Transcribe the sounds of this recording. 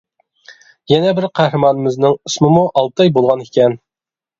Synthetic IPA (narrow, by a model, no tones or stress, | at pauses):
jɛnɛbɪɾqʰæhɾɨmɑnɨmɪznɪŋismɨmuʔɑlˠt̪ɑjbolˠʁɑnikʲɛn